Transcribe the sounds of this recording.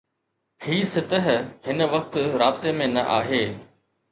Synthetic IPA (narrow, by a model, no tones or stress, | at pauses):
hiːsɪt̪əɦhɪnə̆ʋɐk̚t̪ɾaːbɪt̪emẽnɐ̰ʔaːɦeː